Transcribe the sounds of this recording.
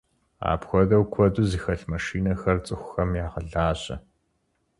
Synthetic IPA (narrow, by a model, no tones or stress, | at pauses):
a̰ːpxʷɔdɐwkʷʰɔdʼuziːxɐɬmɐʃiːnɐxɐrt͡sʼɨxʷʊxɐmjaːʁəɮaːɕʼɐ̰